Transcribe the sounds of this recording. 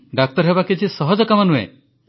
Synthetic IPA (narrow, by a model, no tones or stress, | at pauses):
ɖak̚t̪ɔɾɦebakid͡ʒʰisɔɦɔd͡ʒɔkamanuḛ